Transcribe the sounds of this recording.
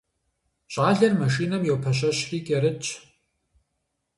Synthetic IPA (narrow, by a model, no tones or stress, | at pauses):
ɕʼaːɮɐrmɐʃiːnɐmjɛwpʰɐɕ̬ɐɕriːkʼɛɾɨt͡ʃʰʼ